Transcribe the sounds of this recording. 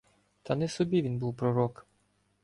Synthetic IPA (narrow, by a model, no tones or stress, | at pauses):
t̪ʰɐnɛsɔbʲiʋʲinbuwpɾɔɾɔk